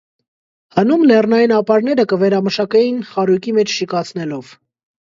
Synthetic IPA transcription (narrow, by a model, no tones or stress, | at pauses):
hənumlɛrnɑjinɑpɑɾnɛɾəkəvɛɾɑməʃɑkɛjinχɑɾujkimɛt͡ʃʰʃikɑt͡sʰnɛlɔv̥